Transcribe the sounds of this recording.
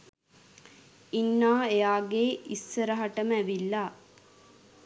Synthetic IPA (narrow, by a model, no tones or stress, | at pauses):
inːaːejaːɡeisːəɾəɦaʈəmæʋilːa